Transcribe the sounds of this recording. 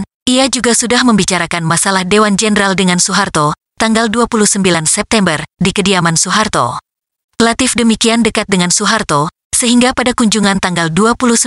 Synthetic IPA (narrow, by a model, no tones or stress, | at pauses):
iad͡ʒuɡasudahməmbit͡ʃaɾakanmasalahdewand͡ʒɛnəɾaldəŋansuɦart̪o | t̪aŋɡalduapuluhsəmbilansɛp̚t̪ɛmbərdikədiamansuɦart̪o̰ | kəlat̪ɪfdəmikiandəkat̪̚dəŋansuɦart̪o | səɦiŋɡapadakuɲd͡ʒuŋant̪aŋɡalduapulus